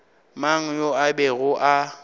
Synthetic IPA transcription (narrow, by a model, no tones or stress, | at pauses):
maŋ̩joabɛɣʊʔa